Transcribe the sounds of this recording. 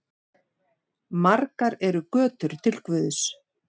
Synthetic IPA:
maɾkaɾɛɾʏkœːt̪ʏɾ̥t̪ʰɪlkvʏðʏs

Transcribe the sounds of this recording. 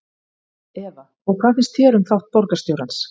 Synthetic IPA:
ɛða | ɔɣkʰvaːθɪnst̪θʰjɛːɾʏmθawht̪̚pɔɾkast̪jowɾans

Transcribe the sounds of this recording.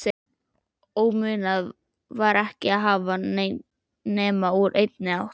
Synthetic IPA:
sɛ | oːwmʏːnað | vaɾɛhcɪaðɦaːva | nɛːmauɾʔejt̪̚nɪawht̪

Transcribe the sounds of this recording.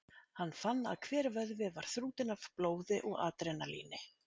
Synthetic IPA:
hanːfanːa̰ðkʰvɛːɾvœðvɪvaɾ̥θɾuːt̪ɪnav̥ploːwðɪʔɔɣa̰ːt̪ɾejnalḭːnɪ

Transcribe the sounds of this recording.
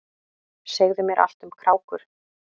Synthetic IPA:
seɣðʏmjɛɾʔa̰l̥t̪ʏmkʰɾaːwkʏɾ̥

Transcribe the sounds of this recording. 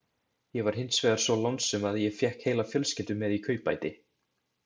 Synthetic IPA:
jɛvaɾ̥ɦɪnt̪svɛːðaɾ̥svɔlawnsʏmaðjɛfjɛhkheːjlafjœlscɛnt̪ʏmːɛðikʰœːɥpajt̪ɪ

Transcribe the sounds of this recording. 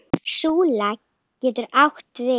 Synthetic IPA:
suːlak | cːɛːt̪ʏɾawht̪ʰvɪ

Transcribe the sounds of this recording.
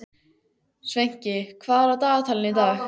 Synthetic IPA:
svejɲ̥cɪkʰvaːðɾat̪aːɣt̪ʰalɪnit̪aːx

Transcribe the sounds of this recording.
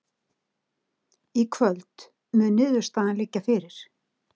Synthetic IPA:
ikʰvœlt̪ | mʏnɪːðʏɾ̥st̪aːðanlɪcːafɪɾɪɾ̥

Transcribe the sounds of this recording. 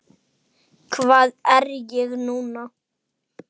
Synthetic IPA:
kʰvaːðɛɾjɛɣnuːna

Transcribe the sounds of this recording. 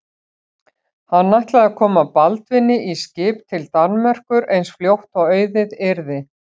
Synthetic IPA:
hanːajht̪laðakʰɔːmapalt̪vɪnːɪʔiscɪːp̚t̪ʰɪlt̪anmɛr̥kʏɾejnsfljowht̪awœɥðɪðɪɾðɪ

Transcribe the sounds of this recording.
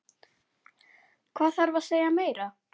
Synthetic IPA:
kʰvaːðθaɾvaseːjameːjɾa

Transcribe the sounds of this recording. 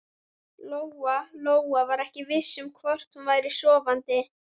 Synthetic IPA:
loːwaloːwavaɾɛhcɪvɪsːʏmkʰvɔr̥t̪hunvaːjɾɪ̥sɔːvant̪ɪ

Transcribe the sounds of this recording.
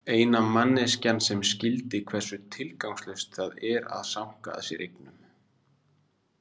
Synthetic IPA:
eːjnamanːɪscanːsɛmscɪlt̪ɪkʰvɛr̥sʏt̪ʰɪlkawŋslœst̪θaðɛɾa̰ðsam̥ka̰ːðsjɛ̰ɾʔejknʏm

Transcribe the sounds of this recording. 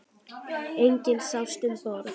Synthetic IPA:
ejŋcɪnsawst̪ɪnpɔɾ

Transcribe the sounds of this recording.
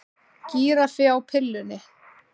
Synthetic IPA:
ciːɾafɪawpʰɪlːʏnɪ

